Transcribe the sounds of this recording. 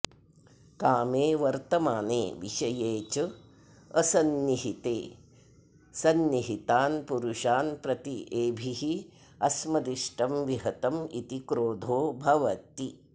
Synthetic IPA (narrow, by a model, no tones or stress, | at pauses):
kaːmeːʋɐɾt̪ɐmaːnḛːʋḭʃɐjeːt͡ʃɐ | ɐsɐnːiɦit̪eː | sɐnniɦit̪aːnpuɾuʃaːnpɾɐt̪iʔeːbʱiɦi | ɐsmɐd̪iʃʈɐmʋiɦɐt̪ɐmḭt̪ikɾoːd̪ʱoːbʱɐʋɐt̪i